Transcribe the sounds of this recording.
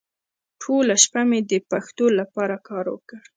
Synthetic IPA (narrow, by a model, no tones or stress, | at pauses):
ʈʰolaʃpamed̪əpaxt̪olapɑɾakɑɾwə̰kəɽ